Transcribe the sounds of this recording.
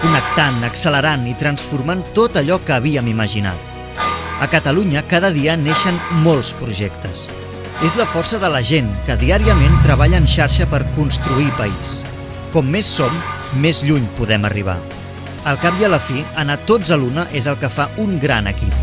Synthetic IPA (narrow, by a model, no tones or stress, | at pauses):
kunək̚t̪anəksələɾanit̪ɾənsfuɾmant̪ot̪əʎɔkəːβ̞iəmiməʒina̰t̪ | əkət̪əluɲəkaðəðiəneʃənmolˠspɾuʒɛkt̪əs | ezləfɔrsəðələʒenkəðiaɾiəment̪ɾəβ̞aʎəːnʃaɾʃəpəɾkunst̪ɾuipəis | kɔmːesːomː | ezʎuɲpuðɛmə̰riβ̞a̰ | əlˠkap̚iələfiənat̪od͡zəlunəʔezəlˠkəfauŋɡɾanə̰kḭp̚